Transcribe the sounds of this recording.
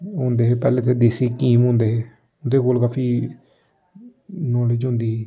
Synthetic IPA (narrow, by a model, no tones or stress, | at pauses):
ɦõːnd̪eːɦeːpɛːleːt̪ʰːeːd̪eːsiːkiːmɦʊ̃ːnd̪eːɦeː | ʊnd̪eːkoːlkaːfʰiː | noːleːd͡ʒɦʊ̃ːnd̪iːɛː